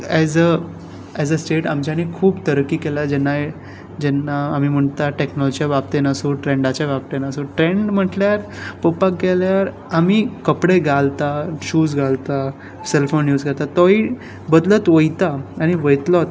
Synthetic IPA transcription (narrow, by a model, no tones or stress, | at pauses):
ɛzə | ɛd͡zəsʈeʈamt͡ɕjanekʰuːbt̪əɾkːiːkɛlad͡ʑɛnːa | d͡ʑɛnːaːmim̤əɳt̪aʈeknɔlɔd͡ʑiijabap̚t̪enasoʈɾeɳɖat͡ɕjaʋap̚t̪enasoʈɾeɳɖm̤əʈljaɾpəpakɡɛljaɾ | amiːkəpɽeɡʱalt̪aɕuːsɡʱalt̪a | selfonjuːzɡʱat̪at̪ɔi | bəd̪lət̪ʋəjt̪aaɽ̃iʋəjt̪lɔt̪